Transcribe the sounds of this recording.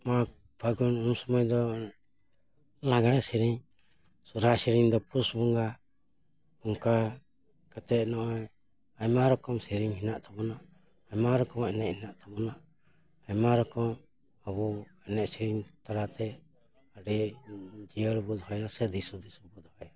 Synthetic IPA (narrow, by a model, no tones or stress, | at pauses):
mak | pʰaɡɔnunsɔmɔjd̪ɔ | laɡaɽɛsɛɾiŋ | suɾasiɾiŋd̪ɔpusbuŋɡa | ɔŋka | kat̪ɛt̪̚nɔʔɔj | ajmaɾɔkɔmsiɾiŋɦinaʔt̪ʰabɔnaʔː | jmaɾɔkɔmɛnɛʔ̚hinaʔt̪ʰabɔnaʔ | amaɾɔkɔm | abuɛnɛʔsiɾiŋt̪aɽat̪ɛ | əɖɛd͡ʒijəɽbud̪hɔjasɛd̪isɔd̪isɔbud̪hɔja